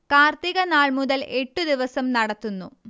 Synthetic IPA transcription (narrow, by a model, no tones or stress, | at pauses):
kaːrt̪iɣɐnaːɭmuðɐlʔe̞ʈːud̪iʋɐsɐmnɐɽɐt̪ːunːṵ